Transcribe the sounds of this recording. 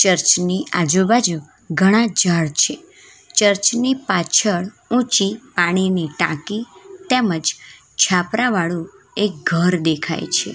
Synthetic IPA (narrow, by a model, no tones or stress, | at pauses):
t͡ʃəɾt͡ʃniʔad͡ʒubad͡ʒu | ɡʱəɽ̃ãd͡ʒaɭt͡ʃʰe | t͡ʃəɾt͡ʃnipat͡ʃʰəɭ | ũt͡ʃipaɽ̃iniʈã̰kit̪eməd͡ʒ | t͡ʃʰapɾãʋaɭũ | ek̚ɡʱəɾd̪ekʰa̰jt͡ʃʰḛ